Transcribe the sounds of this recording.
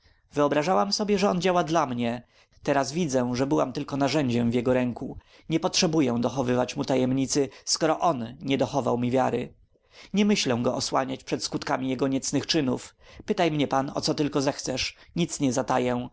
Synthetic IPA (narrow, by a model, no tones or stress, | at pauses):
vɘɔbɾaʐawamsɔbʲjɛʐɛɔnd͡ʑawad̪lamɲɛ | t̪ɛɾasvʲid̪zɛʐɛbɘwa̰mt̪ɘlkɔnaʐɛɲd͡ʑɛmvʲjɛɡɔɾɛŋku | ɲɛpɔtʂɛbujɛw̃d̪ɔxɔvɘvat͡ɕmut̪ajɛmɲit̪sɘskɔɾɔʔɔnɲɛd̪ɔxɔva̰wmʲivʲjaɾɘ̰ | ɲɛmɘɕlɛ̃w̃ɡɔɔswa̰ɲat͡ɕpʂɛt̪skut̪kamʲijɛɡɔɲɛt̪snɘxt͡ʂɘnufpɘt̪ajmɲɛpanɔ̰t̪sɔt̪ɘlkɔzɛxt̪sɛʂɲit̪sɲɛzat̪ajɛ̃